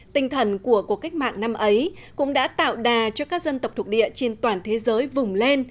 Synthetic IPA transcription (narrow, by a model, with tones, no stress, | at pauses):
t̪ï˧ŋ̟t̪ʰə˨˩nku˧˩əku˨˩ək̚ːa˦˥k̟̚ma̰ː˧˨ŋna˧mʔə˨˦j | kʊ̰˧˥ŋ͡mɗa̰ː˧˥t̪a̰ː˧˨wɗaː˨˩t͡ɕɔ˧kaː˦˥k̚zə˧nt̪ə˨˩k͡p̚t̪ʰk̚ɗḭ˧˨ət͡ɕe˧nt̪waː˨˩nt̪ʰe˨˦zəː˨˦jvʊ˨˩ŋ͡mle˧n